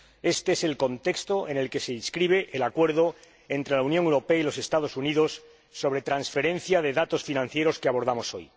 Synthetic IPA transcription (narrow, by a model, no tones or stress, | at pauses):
e̞st̪eese̞lko̞nt̪e̞kst̪o̞ʔe̞ne̞lke̞se̞inskɾiβ̞e̞ʔelakwe̞ɾðo̞ | e̞nt̪ɾe̞launjoŋewɾo̞peailo̞se̞st̪að̞o̞suniðo̞sː | o̞βɾe̞t̪ɾansfe̞ɾe̞n̟θjaðe̞ðat̪o̞sfinãn̟θje̞ɾo̞skeaβo̞ɾð̞amo̞so̞j